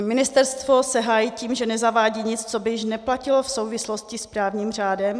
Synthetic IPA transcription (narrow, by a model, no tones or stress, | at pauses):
mɪnɪst̪ɛɾst̪vo̞sɛɦaːjiciːmʒɛnɛzavaːɟiːɲɪt͡st͡sobɪjɪʃnɛplacɪlofso̞wvɪslo̞scɪspɾaːvɲiːmr̝aːdɛm